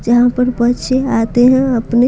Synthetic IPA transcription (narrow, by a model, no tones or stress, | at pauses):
d͡ʒəɦãpəɾpət͡ʃʰeat̪eɦə̃əpne